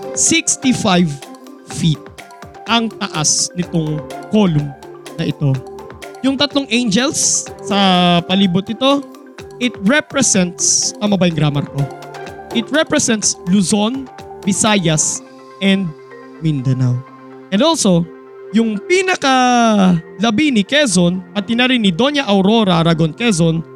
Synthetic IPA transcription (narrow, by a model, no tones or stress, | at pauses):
sikst̪ifajv | fit̪̚ | ʔɐŋt̪ɐʔasnɪt̪oŋkolʊmnɐʔɪt̪o̞jʊŋt̪ɐt̪loŋʔẽjnd͡ʒɛlsːɐpɐliːbʊt̪̚ːɪt̪o̞ | ʔɪt̪̚ɹɛpɹɛsɛnt̪spɐmɐbajŋɡɾamɐɾk̪o̞ʔɪt̪̚ɹɛpɹɛsɛnt̪sluzo̞nbɪsajɐs | ʔɛnd̪̚ | mind̪ɐnaw | ʔɛnd̪o̞lso̞ | jʊŋpinɐkɐ | lɐbinɪkɛzonpɐt̪ɪnɐɾɪnɪd̪o̞njɐʔɐwɾo̞ɾɐɾɐɡonkɛzon